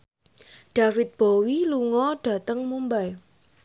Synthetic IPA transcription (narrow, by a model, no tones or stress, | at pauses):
ɖ̥afɪt̪̚b̥owiluŋɔɖ̥ä̤t̪əŋmumbaj